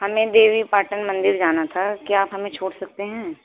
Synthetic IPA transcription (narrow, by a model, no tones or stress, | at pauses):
hɐmẽd̪eːʋipaːʈənmɐ̃nd̪ɪɾd͡ʒaːnat̪ʰakiaːpɦɐmẽt͡ʃʰoːɽsɐk̚t̪eɦɛ̃ː